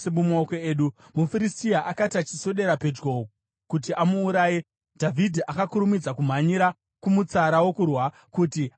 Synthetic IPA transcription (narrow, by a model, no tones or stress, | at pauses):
semumookoeːɗu | mufiɾistiaʔakatat͡ʃi̥so̞ɗe̞ɾape̞d͡ʒɡo̞ko | kutiʔamuːɾaːje | dʱavʱidʱiʔakakuɾumid͡zakum̤aɲiɾa | kumut͡saɾawo̞kurwa | kuti